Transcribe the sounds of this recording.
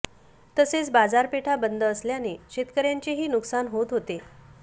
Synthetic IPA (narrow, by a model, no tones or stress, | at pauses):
t̪əset͡sbad͡zaɾpeʈʰabənd̪ʱəːsljaneɕet̪kəɾjaɲt͡ɕeɦiːnuksanɦot̪ɦot̪e